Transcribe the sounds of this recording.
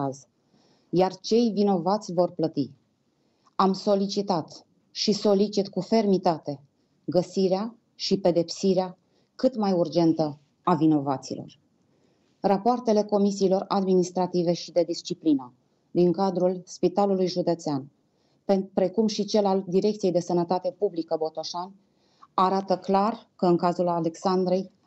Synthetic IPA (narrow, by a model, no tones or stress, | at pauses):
az | jart͡ʃe̞jvino̞vat̪sʲvo̞rplət̪i | amso̞lit͡ʃit̪at̪ | ʃiso̞lit͡ʃit̪kufe̞rmit̪at̪e̞ | ɡəsiɾea | ʃipe̞d̪e̞psiɾea | kɨt̪majurd͡ʒe̞nt̪ə | avino̞vat̪sḭlʔo̞̰r | rapoart̪e̞le̞ko̞misiːlo̞rad̪minist̪ɾat̪ive̞ʃid̪e̞d̪ist͡ʃiplinə | d̪iŋkad̪ɾulspit̪alulujʒud̪e̞t̪sean | pepɾe̞kumʃit͡ʃe̞lald̪iɾekt̪sijejd̪e̞sənət̪at̪e̞publikəbo̞t̪o̞ʃan | aɾat̪əklarkəɨŋkazulale̞ksand̪ɾe̞j